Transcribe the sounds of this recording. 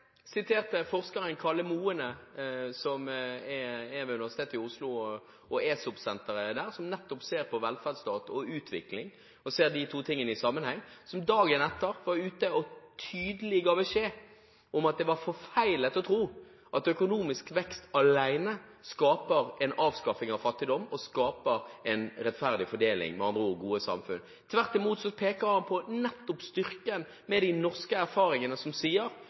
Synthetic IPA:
sɪt̪ʰeːʁt̪əfɔʁskɑʁənkʰɑləmuːənəsɔmɛɛʋɛʉnɪʋæsɪt̪eːt̪ɪʊslʊ | ɔeːsʊpsɛnt̪əʁəd̪æːʁsɔmnɛt̪ːɔpseːʁpʰɔʋɛlfæʁd̪st̪ɑːt̪ɔʉːt̪ʰʋɪ̰klɪŋ | ɔseːʁd̪ɪt̪ʰuːt̪ʰɪŋːənəɪsɑmːənhɛŋːsɔmd̪ɑːɡənɛt̪ːəʁʋɑʁʉːt̪əɔt̪ʰyːd̪əlɪɡɑːʋəʃeː | ɔmɑt̪̚d̪ɛʋɑɾfɔfæɪlət̪ɔt̪ʰɾuː | ʔɑt̪œkʊnuːmɪskʋɛkst̪ɑlæɪnə | skɑːpəɾɛɪnɑːʋskɑfɪŋɑʋfɑt̪ːɪd̪ɔmːɔskɑːpəɾɛɪnɾɛt̪fæʁd̪ɪfɔɖeːlɪ̰ŋmɛɑnd̪ɾəɔɡuːəsɑ̰mfʉ̰n | t̪ʰʋæʁt̪ɪmuːt̪sɔpʰeːkəɾhɑnpʰɔnɛt̪ːɔpst̪ʏɾkən | mɛd̪ɪnɔʁskəæɾfɑːɾɪŋənəsɔmsiːəɾ

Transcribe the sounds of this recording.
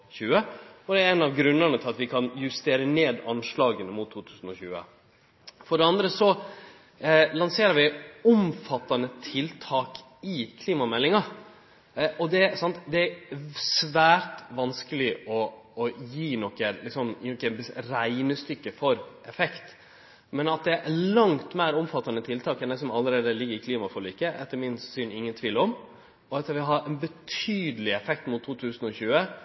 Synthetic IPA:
çʉːəɔd̪ɛɛnɑʋɡɾʉnːənət̪ʰɪlɑt̪ʋɪkʰɑnjʉst̪eːɾəneːd̪ɑnʂlɭɑːɡənəmʊt̪ʰːuːt̪ʰʉːsn̩ɔçʉ̰ːə̰ | fɔɖɛɑnd̪ɾəsɔ | lɑnseːɾəɾʋɪʊmfɑt̪ːɑnət̪ʰɪlt̪ʰɑːk | ɪkʰliːmɑmɛlːɪŋɑ | ʔɔd̪ɛsɑnt̪d̪ɛæsʋæːɾt̪ʋɑnskəlɪʔɔːjiːnɔkːəlɪksɔmnɔkːəbɾæɪnəst̪ʏkːəfɔɾ | ɛfɛkt̪ | mɛnɑt̪̚d̪ɛælɑŋt̪mæɪɾɔmfɑt̪ːɑnət̪ʰɪlt̪ʰɑːkɛnd̪ɛsɔmɑlːəɾeːd̪əlɪɡːəɾɪkʰliːmɑfɔliːkəʔɛ̰t̪ːəɾmɪnssyːnɪŋːənt̪ʰʋiːlɔm | ɔɛt̪ːɑʋɪɦɑɾɛɪnbət̪ʰyːd̪əlɪɛfɛk̚t̪mʊt̪ʰːuːt̪ʰʉːsn̩ɔçʉːə

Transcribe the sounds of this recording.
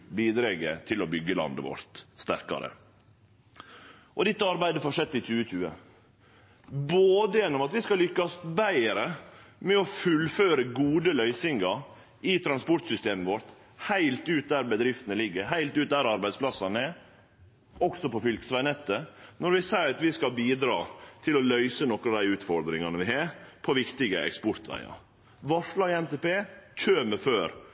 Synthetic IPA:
biːd̪ɾeːɡə̰t̪ʰɪlɔbʏɡːəlɑ̰nd̪ə̰ʋɔ̰ɾt̪st̪æ̰ɾkɑ̰ɾə̰ | ʔɔd̪ɛt̪ːəɑɾbæɪd̪əfɔʂɛt̪ːɪc͡çʉːəc͡çʉːə | boːd̪əjɛnːɔmɑt̪ʋɪskɑlʏkːɑsbæɪɾəmɛɔfʉlføːɾəɡuːd̪əlœʏsɪŋɡɑ | ɪt̪ʰɾɑnspɔʈ̪sʏst̪eːməʋɔɾt̪ | hæɪlt̪ʉːt̪̚d̪æɾbəd̪ɾɪft̪ənəlɪɡːəɾɦæɪlt̪ʉːt̪̚d̪æɾɑɾbæɪd̪splɑsːɑnəɛ | ɔksɔpɔfʏlkəsʋæɪnɛt̪ːənɔɾʋɪsæɪɾɑt̪ʋɪskɑlbiːd̪ɾɑ̰ːt̪ʰɪlɔlœʏsənɔkɾɑd̪æɪʉːt̪fɔɾd̪ɾɪŋɑnəʋɪhɑːɾpʰɔʋɪkt̪ɪɡəɛ̰kspɔɾt̪ʋæ̰ɪɑ̰ | ʋɑʂɭɑːɪɛnt̪ɛpeːc͡çʰøːməføːɾ

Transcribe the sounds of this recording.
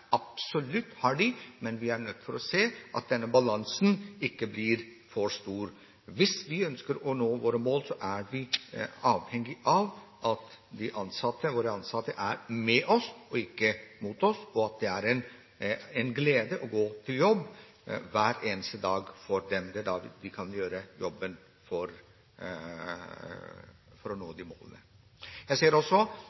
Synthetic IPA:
ɑpsɔlʉt̪ːhɑɖɪmɛnʋɪæɾɳœt̪ːfɔɾɔseːʔɑ̰t̪̚d̪ɛnːəbɑlɑnsnɪkːəbliːɾ | fɔɾʂt̪uːɾ | ʋɪsʋɪœnskəɾɔnoːʋoːɾəmoːlsɔʔæɾʋɪɑːʋhɛŋːɪʔɑʋʔɑt̪d̪ɪʔɑnsɑt̪ːəʋoːɾəɑnsɑt̪ːəʔæɾmɛʔɔsɔɪkːəmuːt̪ɔsɔɑt̪̚d̪ɛæɾɛn | ɛnɡleːd̪əʔɔɡoːt̪ʰɪljɔbː | ʋæːɾeːnəst̪əd̪ɑːɡfɔɾɖ̪ɛmd̪ɛd̪ɑd̪ɪkʰɑnjøːɾəjɔbːən | fɔɾ | fɔɾɔnoːd̪ɪmo̰ːlə̰nə̰ | jæɪseːəɾɔsːɔ

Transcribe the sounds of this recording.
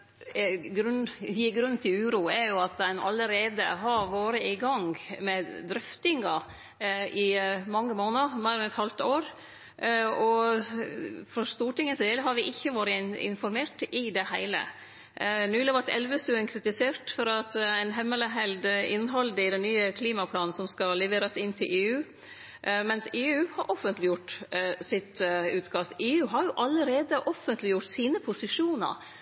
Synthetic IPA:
ɡɾʉnɡɾʉnːn̩t̪ʰɪlʉːɾuːɛɾjʊɑt̪̚d̪ɛnɑ̰ləɾeːd̪ə̰ɦɑɾʋoːɾəɪɡɑŋmɛd̪ɾʏft̪ɪŋɑ | ɪmɑŋːəmoːnəɾmæɪɾɛnɛt̪hɑlt̪oːɾ | ɔ | fɾɔst̪uːʈɪŋːəseːləɦɑɾʋɪʔɪçːəʋoːɾəɪ̰nfɔɾmeːʈɪd̪ɛhæɪlə̰ | nʉːlɪʋɑɾt̪ɛ̰lʋəst̪ʉːənkʰɾɪt̪ɪseːɾʈ̪fɔɾɑt̪æɪnɦɛmːələɦɛld̪ɪnɦɑld̪əɪd̪ɛnːyːəkʰliːmɑpʰlɑːnn̩sɔmskɑlɛʋeːɾɑsɪnːt̪ʰɪlʔeːʉː | mɛnseːʉːhɑɾʔɔfːənt̪lɪjʊʈːsɪt̪ʉːt̪kʰɑst̪eːʉːɦɑɾjʊʔɑlːəɾeːd̪əʔɔfːənt̪lɪjʊʈːsiːnəpʰʊsɪʂuːnə̰ɾ

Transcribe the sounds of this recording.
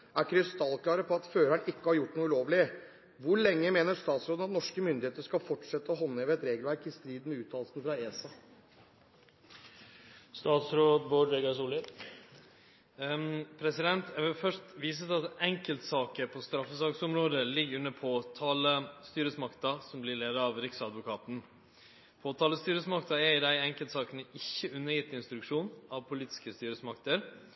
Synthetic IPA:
ʔæɾkʰɾɪst̪ɑlklɑːɾəpʰɔɑt̪føːɾæɳɪkːəhɑɾjʊʈːɳuːʉloːʋlɪə | ʋʊɭɛŋːəmeːnəʂt̪ɑːt̪sɾoːd̪nɑt̪nɔʂkəmʏnd̪ɪheːt̪əʂkɑlfɔʈʂɛt̪ːəɔɦɔnːəɛʋɛɛt̪ɾeːɡəlʋæɾkɪst̪ɾiːd̪n̩mɛʉːt̪ʰɑːlsnfɾɑeːsɑ | st̪ɑːt̪sɾoːd̪boːɖɾɛɡɑsuːlɪ | pʰɾɛsɪd̪ɛnt̪ɛəfœʂtʋiːs̬ət̪ɑt̪ɛŋkəlt̪sɑːkəɾpʰost̪ɾɑfːəsɑːksɔmɾoːd̪əlɪɡːʉnːəpʰot̪ʰɑːləst̪yːɾəsmɑkt̪ɑsɔmblɪɭeːd̪əɾɑːʋɾɪksɑd̪ʋʊkʰɑːt̪n̩ | pʰoːt̪ʰɑːləst̪yːɾəsmɑkt̪ɑɛɾɪd̪æɪɛŋkəlt̪sɑːkənəʔɪçːəʉnːəjɪt̪ːɪnst̪ɾʉkʂuːnɑʋpʰʊliːt̪ɪ̥skəst̪yːɾəsmɑkt̪əɾ

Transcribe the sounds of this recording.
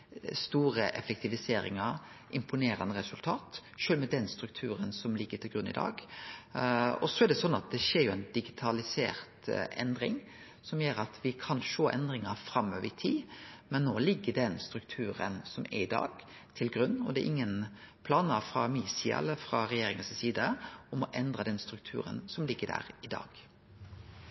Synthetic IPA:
st̪uːɾəʔɛ̰fɛk̚t̪ʰɪʋɪseːɾɪ̰ŋəɾ | ʔɪmpʊneːɾɑ̰nd̪əɾɛsʉlt̪ʰɑːt̪ʃøːlmɛd̪ɛnst̪ɾʉk̚t̪ʰʉːɾənsɔmlɪɡːət̪ʰɪlɡɾʉnːɪ̰d̪ɑ̰ːɡ | ɔsɔæd̪ɛsɔnːɑt̪̚d̪ɛʃeːɾjʊɛnd̪ɪɡɪt̪ʰɑlɪsḛːɾt̪ʔɛnd̪ɾɪ̰ŋ | sɔmjeːɾɑt̪ʰʋɪkʰɑnʂoːʔɛ̰nd̪ɾɪŋɑɾfɾɑmøːʋət̪ʰiːmɛnːoːlɪɡːəɖɛnst̪ɾʉk̚t̪ʰʉːɾə̰nsɔmʔɛ̰ɾɪd̪ɑ̰ːɡ̥ | t̪ʰɪlɡɾʉnːɔd̪ɛʔɪŋːənpʰlɑːnɑfɾɑmiːsiːɑ̰ʔɛ̰lːəfɾɑɾɛjeːɾɪŋəssiːd̪əɔmɔʔɛnd̪ɾɑd̪ɛnst̪ɾʉk̚t̪ʰʉ̰ːɾə̰nsɔmlɪɡːədæ̰ːɾɪd̪ɑ̰ːɡ̥

